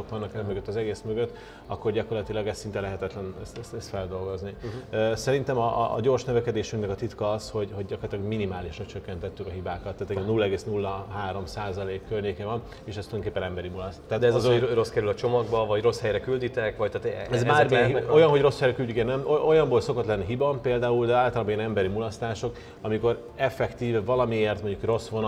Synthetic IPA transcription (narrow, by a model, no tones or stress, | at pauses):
okʋɒnːɒkɛmøɡøt̪ːɒzɛɡeːsmøɡøt̪ː | ɒ̰kːo̞rɟɒkorlɒt̪ilɒɡɛst̪sint̪ɛlɛɦɛt̪ɛt̪lɛnɛst̪ɛst̪ɛst̪fɛld̪o̞lɡo̞zniøsɛɾint̪ɛmɒ̰ɟoːrʃnøvɛkɛd̪eːʃyŋknɛkɒt̪it̪kɒɒsho̞ɟho̞ɟɟɒkort̪lɒɡminimaːliʃrɒt͡ʃøkːɛnt̪ɛt̪ːykɒɦibaːkɒt̪ːaːt̪iɡɛnnulːɒɛɡeːsnulːɒɦaːɾo̞msaːzɒleːkːørɲeːkevɒn | eːʃɛst̪ujd̪oŋkeːpːɛnɛmbɛɾimulɒst̪t̪ːaːt̪d̪ɛzzoro̞skɛɾylɒt͡ʃo̞mɒɡbɒvɒɟro̞shɛjɾɛkyld̪it̪ɛkvɒc̚t̪aːt̪ɛzmaːriɦio̞jɒnɦo̞ɟro̞shɛjrɛkylɟykɛnnɛmoʔo̞jɒmbolso̞ko̞t̪lɛnːiɦibɒmpeːld̪aːuld̪ɛaːlt̪ɒlaːbojɛnɛmbɛɾimulɒst̪aːʃo̞k | ɒmiko̞ɾ | ɛfɛkt̪iːvvɒlɒmieːrt̪moɲɟukro̞sʋon